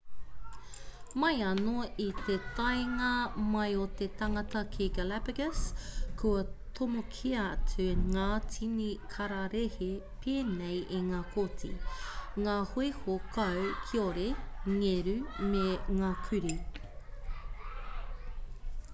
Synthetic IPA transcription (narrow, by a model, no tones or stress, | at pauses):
mɐjɐnoit̪et̪ɐjŋɐmɐjot̪etɐŋɐtɐkʰiɡalæpɪɡəskuɐt̪ʰomokʰiɐt͡sʰʉŋaːt͡sʰinikʰɐɾaɾehe | pʰeːnejʔiŋaːkʰotʰḭŋaːhoehokʰɐwkʰioɾeŋeɾʉmeŋaːkʰʉɾi